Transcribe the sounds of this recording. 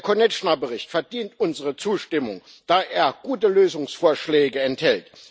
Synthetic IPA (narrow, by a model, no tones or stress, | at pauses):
kʰɔnɛt͡ʃnabəʁɪçtfɛɐdiːntʔʊnzəʁət͡suːʃtɪmʊŋ | d̥aːʔeːɐɡ̥uːtəløːzʊŋsfoːɐʃlɛːɡəɛnthɛlt